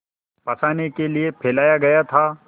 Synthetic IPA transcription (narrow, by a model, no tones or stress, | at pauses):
pɐsaːnekeliepʰeːlaːjaɡɐjat̪ʰaː